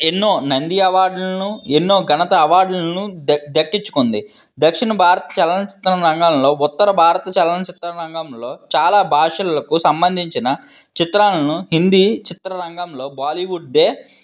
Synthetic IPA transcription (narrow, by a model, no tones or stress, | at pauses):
enːoːnɐnd̪iɐʋaːɾɖlɐɐnuenːoːɡɐnɐt̪ɐːʋaːɾɖlnud̪ɐkːit͡ʃːu̥kond̪i | d̪ɐkʂinɐbʱaːɾɐt̪ɐ̥t͡ʃɛlɐnɐt͡ʃi̥t̪ɾɐɾɐŋɡaːmlo̞ːut̪ːɐɾɐbʱaːɾɐt̪ɐt͡ʃɛlɐnɐt͡ʃit̪ɾɐɾɐŋɡɐmlo̞ːt͡ʃaːlaːbʱaːʂɐlɐlɐkusɐmbɐnd̪ʱiɲt͡ʃinɐ | t͡ʃit̪ɾaːlɐnuɦind̪iːt͡ʃit̪ɾɐɾɐŋɡɐmlo̞ːbaːliːʋuɖd̪eː